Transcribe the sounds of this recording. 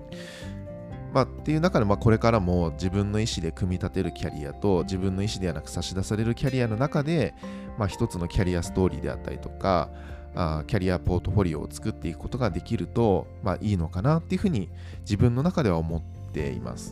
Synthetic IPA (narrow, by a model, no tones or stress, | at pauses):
mat̪ːe̞jɯ̟nakad̪e̞mako̞ɾe̞kaɾamo̞d͡ʑibɯ̟̃nːo̞iɕid̪e̞kɯ̟mʲit̪at̪e̞ɾɯ̟kʲaɾʲḭa̰t̪o̞d͡ʑibɯ̃nːo̞iɕid̪e̞anakɯ̟̥saɕid̪asaɾe̞ɾɯ̟kʲaɾʲiano̞nakad̪e̞ | maçi̥t̪o̞t͡sɨno̞kʲaɾʲiasɨ̥t̪o̞ːɾʲḭːd̪e̞̰a̰t̪ːa̰ɾʲḭt̪o̞̥ka̰ | akʲaɾʲiapo̞ːt̪o̞ɸo̞ɾʲio̞̰t͡sɨ̥kɯ̟t̪ːe̞ikɯ̟̥kot̪o̞ɡad̪e̞kʲiɾɯ̟t̪o̞ | ma̰ʔiːno̞kanat̪ːe̞iɯ̟ɸɯ̟ːɲ̟i | d͡ʑibɯ̟̃nːo̞nakad̪e̞βaomo̞t̪ːe̞̰ḭma̰sɨ̥